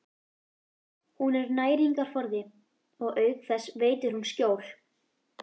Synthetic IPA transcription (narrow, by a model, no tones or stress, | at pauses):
hunɛɾnaːjɾiŋkaɾ̥fɔɾðɪ | ɔɣœːɥkθɛsːveːjt̪ɪɾ̥hunscoːwl̥